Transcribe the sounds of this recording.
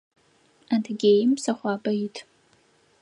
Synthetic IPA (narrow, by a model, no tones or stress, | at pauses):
antʰɡʲejmsaχʷaːbɐitʰʼ